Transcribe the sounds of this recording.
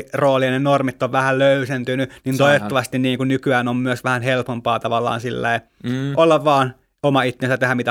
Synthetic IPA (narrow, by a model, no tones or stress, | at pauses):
roːliɑnenormit̪ːoʋʋæhælløysent̪ynynint̪oiʋet̪ːɑʋɑst̪inniːŋkunnykyæːnommyøsʋæhænhelpompɑːt̪ɑʋɑlːˑɑ̰ːnsilːæ̰i | ʔolːɑʋʋɑːn | omɑit̪ːensæt̪ehæmmit̪æ